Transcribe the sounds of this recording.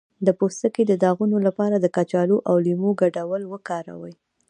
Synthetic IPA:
d̪əpost̪əked̪əd̪ɑɣunolapɑɾad̪əkat͡ʃɑloʔawlimoɡaɖawəlwəkɑɾa̰wəj

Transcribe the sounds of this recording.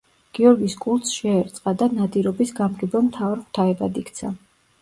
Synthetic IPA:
ɡ̥iɔɾɡiskʼulˠt̪sʃɛːɾt̪sʼqʼad̪anad̪iɾɔbisɡamɡɛbɛmt̪ʰavaɾχt̪ʰaɛbad̪ikʰt̪sʰa

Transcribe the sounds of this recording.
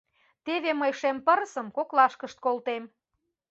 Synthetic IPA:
t̪eβeməjʃempəɾəsə̆mkoklɑʃkəʃt̪̚kolt̪em

